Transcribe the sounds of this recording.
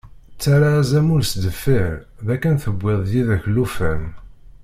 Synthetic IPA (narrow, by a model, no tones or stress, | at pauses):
t͡sːaɾazæmulsd̪əfːiɾðækːænθəbʷːɪðˤðiðæçlufæn